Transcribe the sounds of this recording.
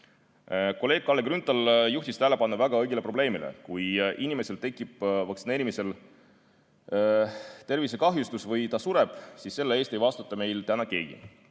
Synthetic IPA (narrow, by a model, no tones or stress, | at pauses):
ko̞le̞ːɡ̥̚kɑlːeɡrynt̪ˑɑljuht̪ist̪æːlepɑnːɑvæɡ̥ɑɤjɡ̥ʲile̞pro̞b̥le̞ːmilḛkujʔinime̞selt̪e̞kːˑib̥vɑkt̪sine̞ːɾʲimise̞l | t̪e̞rvisekɑɦjust̪usvɤjt̪ɑsuɾe̞b̥sisːe̞lːeeːst̪ejvɑst̪ut̪ːˑɑme̞jlt̪ænɑkeːɡ̥ḭ